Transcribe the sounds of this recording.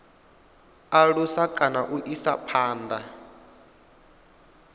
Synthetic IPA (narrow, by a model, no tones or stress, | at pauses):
aɺusakʼanaʔuʔisa̰pʰaːnda